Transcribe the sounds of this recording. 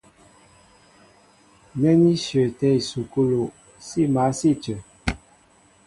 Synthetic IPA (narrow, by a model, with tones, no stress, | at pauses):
nɛ˦ni˦ʃə˨tɛ˦i˨su˨ko˦lo˨ | si˦˨ma˨˦si˦˨t͡ʃə˨